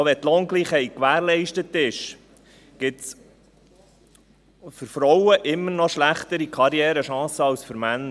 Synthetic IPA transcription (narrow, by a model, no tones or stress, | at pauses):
ʋɛt̪loːŋɡliːχhɛɪt̚kʋæːɾlɛɪʃtət̪ɪʃ | ɡ̥ɪt̪s | fʏɾfɾɔwəʔɪmːəɾnɔʃlæχt̪əɾikʰɑɾjɛːɾəʃɑ̃ːsəɑlsfʏɾmænːə